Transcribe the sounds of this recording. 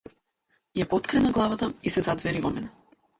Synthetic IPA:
japɔt̪kɾɛnaɡlˠavat̪aisɛzad̪zvɛɾivɔmɛnɛ

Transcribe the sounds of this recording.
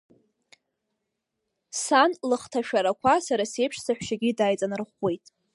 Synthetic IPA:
sanlɨχtʰaʃᶣaɾakʷʰasaɾase̞jpʰʂsaħʷᶣʃaɡʲidajt͡sʼanɨrχwe̞jtʼ

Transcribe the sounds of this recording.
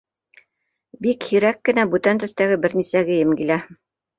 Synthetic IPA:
bikhiɾækːɘ̆næbʉt̪ænt̪ɵ̆θt̪æɡɘbɘɾnisæɡɘ̆jɘ̆mɡilæ

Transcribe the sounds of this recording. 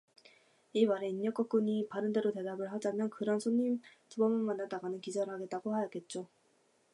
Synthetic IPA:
iwaɾe̞iɲːʌk͈ʌk͈uɲipaɾɯnde̞ɾote̞dabɯɭɦad͡ʑamjʌnkɯɾʌnsʰoɲːimt͡ɕubʌmɯɭmanːadaɡanɯnkid͡ʑʌɾɦaɡe̞t̚t͈aɡohajʌɡ͈e̞t̚t͡ɕ͈o

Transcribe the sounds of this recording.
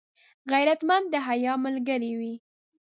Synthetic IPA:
ɣajɾat̪mand̪̚d̪əɦajɑməlɡəɾiwi

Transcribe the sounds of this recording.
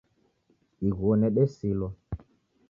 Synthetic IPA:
iɣonɛɓɛsilɔ

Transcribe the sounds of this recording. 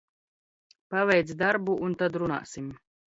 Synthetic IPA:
pavɛjt̪sd̪aɾbuʔunt̪ad̪ɾuna̰ːsim

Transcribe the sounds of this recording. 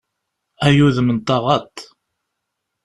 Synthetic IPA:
æjuðmənt̪ˤːɑʁɑt̪

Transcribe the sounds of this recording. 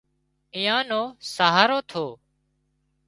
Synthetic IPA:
ɪ̃jãːnoːsaːɦaːɾoːt̪ʰoː

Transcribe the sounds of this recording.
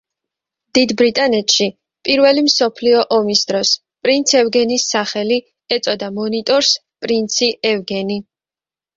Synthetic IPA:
d̪̥id̪bɾit̪ʼanɛt̪ʰʼʃi | pʼiɾvɛlimsɔpʰliɔʔɔmisd̪ɾɔs | pʼɾint̪sʰɛvɡɛnisːaχɛli | ɛt̪sʼɔd̪amɔnit̪ʼɔɾs | pʼɾint̪sʰiɛvɡɛni

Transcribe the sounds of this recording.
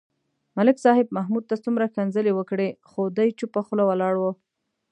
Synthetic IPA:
malɪksɑɦɪb̚mahmud̪̚t̪at͡sumɾakanzəlewəkɽexod̪ajt͡ʃupaxlawalɑɽwə

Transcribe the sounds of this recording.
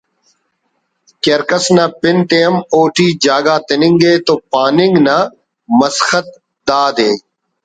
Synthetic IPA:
keɾkəsnɐpɪnt̪ejɐmoːʈiːd͡ʒaːɡaːt̪ɪnɪŋɡeːt̪opaːnɪŋɡna | mɐsxət̪̚ | d̪aːd̪eː

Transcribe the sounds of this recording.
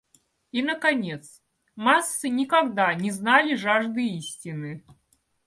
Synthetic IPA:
inəkɐnʲet̪s | masːɨnʲɪkɐɡd̪anʲɪznalʲɪʐaʐd̪ɨisʲtʲɪnɨ

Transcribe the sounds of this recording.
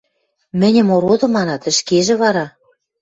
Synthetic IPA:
mɘ̆nʲɘ̆moɾod̪ɤ̆mɑnɑt̪ɘ̆ʃkeʒĕβɑɾɑ

